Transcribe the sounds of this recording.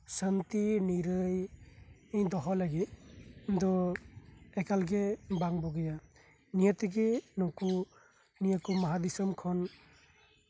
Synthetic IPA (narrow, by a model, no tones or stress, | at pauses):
sant̪iniɾɯj | ɯjd̪ɔɦɔlaɡend̪ɔ | ɛkalɡɛbaŋbɔɡɛja | nijɔt̪ɛɡenɔku | nijɔkumaɦad̪isɔmkʰɔn